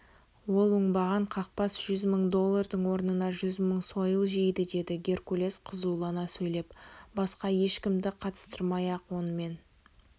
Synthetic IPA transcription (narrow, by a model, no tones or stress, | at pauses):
wo̞lˠʊɴbɑʁɑɴqʰɑq̚pɑsʒ̥ʏzməɴd̪o̞lˠːɑrd̪əɴwo̞ɾnənɑʒʏzməɴso̞jəlˠʒijd̪ɪd̪e̞d̪ɪɡʲe̞rkulʲe̞sqʰəzulˠɑnɑsɵjle̞pbɑsqɑje̞ʃkʲɪmd̪ɪqʰɑt̪ə̥st̪əɾmɑjɑqwo̞nəme̞n